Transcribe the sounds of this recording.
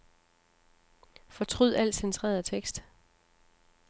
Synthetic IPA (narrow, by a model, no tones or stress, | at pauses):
fɒ̽t͡sʰʁyð̰ˠæl̰̥sent͡sʰʁɛ̰ːɐðˠt͡sʰeɡ̥sd̥